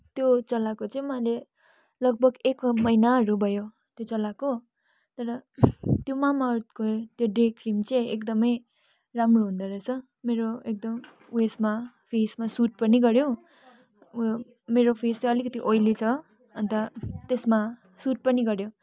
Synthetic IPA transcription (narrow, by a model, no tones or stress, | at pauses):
t̪jot͡sʌlakot͡sʌĩmʌale | lʌɡ̚bʱʌɡekmʌjnaɦʌɾubʱʌjo | t̪jot͡sʌlako | t̪ʌɾʌt̪jomamat̪kot̪joɖekrimt͡sʌĩekd̪ʌmʌj | ramroɦund̪ʌɾʌt͡sʰʌ | meɾoek̚d̪ʌm | esma | pʰesmasuʈ̚pʌniɡʌɾjo | meɾopʰest͡sʌ̃ʌlikʌt̪iʔojlit͡sʰʌ | ʌnt̪ʌt̪esma | suʈ̚pʌniɡʌɾjo